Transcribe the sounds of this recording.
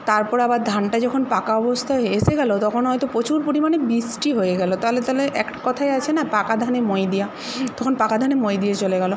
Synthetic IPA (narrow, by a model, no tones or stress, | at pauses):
t̪aɾpɔɾabaɾd̪ʱanʈad͡ʑɔkʰonpakaɔbost̪ʰaeeseɡɛlot̪ɔkʰonɦɔjt̪opɾot͡ɕuɾpoɾimanebisʈiɦoeɡɛlot̪aɦolet̪aɦoleʔɛkʈḁkɔt̪ʰaeat͡ɕʰenapakad̪ʱanemɔjd̪ija | t̪ɔkʰonpakad̪ʱanemɔjd̪ijat͡ɕoleɡɛlo